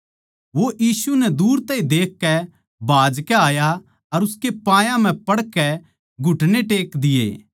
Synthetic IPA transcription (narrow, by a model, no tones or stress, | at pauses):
ʋoʔjiːsunɛd̪uːɾt̪ɐːɦĩd̪eːkːɛ | bʱaːd͡ʒkɛaːja | ɐɾʊskepãːjãm̤ɛ̃pɐɽkɛ | ɡʱʊʈneʈeːkd̪ɪjḛː